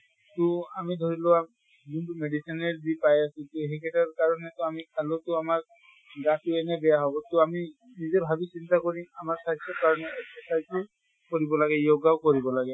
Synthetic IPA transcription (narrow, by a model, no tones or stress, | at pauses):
tʊamidʱoɹilʊa | zintumedisinɛɹzipajasutuɦɛkʰɛtaɹkaɹɔnɛtʊamialotʊamaɹ | ɡatʊɛnɛbɛjaɦɔbɔtʊami | nizɔbʱabisintakoɹimamaɹsajsʰɔkaɹɔnɛɛksɔsajz | koɹibɔlaɡɛjoɡawkoɹibɔlaɡɛ